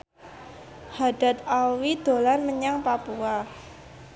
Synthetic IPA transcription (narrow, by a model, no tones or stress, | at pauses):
had̥a̤t̪̚alwid̪̥o̤lanməɲaŋpapua